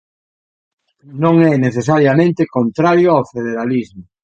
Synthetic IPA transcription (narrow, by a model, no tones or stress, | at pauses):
nõŋɛneθesaɾjamẽnt̪ekõnt̪ɾaɾjoawfeðeɾalizmʊ